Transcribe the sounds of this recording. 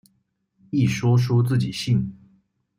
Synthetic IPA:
i˥˩ʂwɔ˥ʂ̬wɔ˥t͡sɹ̩˥˩t͡ɕi˨˩ɕi˥˩n

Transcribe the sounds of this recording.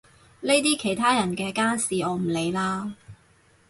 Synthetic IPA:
ne˥jt̪̬iː˥kʰe˨˩jt̪ʰaː˥jɐ˨˩nkɛː˧kaː˥nsiː˨ɔː˨˧m̩˨˩le˨˧jlaː˧

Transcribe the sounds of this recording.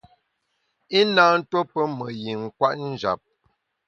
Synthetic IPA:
i˦naː˦n̩˦to˦pə˦mə˨ji˨ŋ̩˨kwa˦ʔn̩˦d͡ʒa̰˨p̚

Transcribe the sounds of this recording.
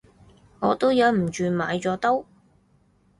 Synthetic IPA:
ŋɔː˨˧t̪o˥wjɐ˨˧wm̩˨˩t͡ʃyː˨˧maː˨˧jt͡sɔː˨˥t̪o˥w

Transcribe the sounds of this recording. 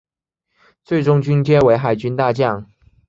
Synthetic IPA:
t͡swe˥˩ɪʈ͡ʂʊ˥ŋt͡ɕy˥nt͡ɕjɛ˥we˧˥ɪxa˨˩ɪt͡ɕy˥nt̪a˥˧t͡ɕjɑ˥˩ŋ

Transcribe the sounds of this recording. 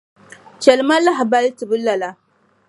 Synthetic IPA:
t͡ʃɛ˨lma˦la˦ɦa˨ba˦li˦ti˨bu˦lːa˨la˦

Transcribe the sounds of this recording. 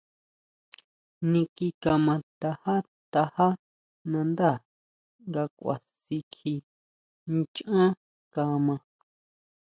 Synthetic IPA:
nĩ˧ki˧ka˧mã˧t̪a˧ha˦ | t̪a˧ha˦ | nã˧nd̪a˦˨ | ŋɡa˧kʷa̰˨ | si˧kʰi˧ | nt͡ʃã˦ | ka˧mã˧

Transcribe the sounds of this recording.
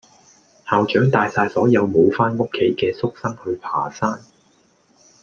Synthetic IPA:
haː˨wt͡ʃœː˨˥ŋt̪aː˨˧jsaː˧jsɔː˨˥jɐ˨˧wmo˨˧wfaː˥nŋʊ˥kʰːe˨˥jkɛː˧sʊ˥k̚sɐ˥ŋhɵ˨˧ɥpʰa̰ː˨˩saː˥n

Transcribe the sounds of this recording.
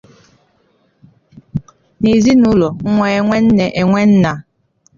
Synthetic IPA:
ne˨zi˦nu˦lɔ˨˦ŋʷɛ˨˦˨ŋʷɛ˦n̩˦nɛ˨ʔɛ˨ŋʷɛ˦n̩˦na˨

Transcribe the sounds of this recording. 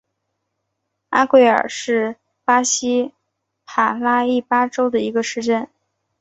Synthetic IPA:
a˥kwe˥˩ɪə̰˞˨˩ʂɻ̩˥˩ | pa˥ɕi˥ | pʰa˨˩la˥i˥˩pa˥ʈ͡ʂo˥ʊd̪ə˨i˧˥ɡə˧ʂɻ̩˥˧ʈ͡ʂə˥˩n

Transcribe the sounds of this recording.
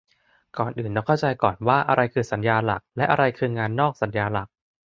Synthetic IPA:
kɔː˨˩nʔɯː˨˩ndɔ˧˩kʰa˥˩wt͡ɕa˧jkɔː˨˩nwaː˥˩ʔa̰˧ɾa˧jkʰɯː˧sa˩˦njaː˧la̰˨˩k̚lɛ˦˥ʔa˧ɾa˧jkʰɯː˧ŋaː˧nːɔː˥˩k̚sa˩˦njaː˧la˨˩k̚

